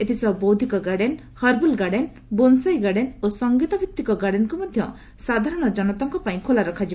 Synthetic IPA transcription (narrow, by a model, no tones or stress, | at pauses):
et̪ʰisɔbowd̪ʱikɔɡaɽen | hɔɾbulɡaɽen | bonsajɡaɽenosɔŋɡit̪ɔbʱik̚t̪ːikɔɡaɽenkumɔd̪ʱjɔ | sad̪ʱaɾɔɽ̃ɔd͡ʒɔnɔt̪ɔŋkɔpaĩkʰolaɾɔkʰad͡ʒi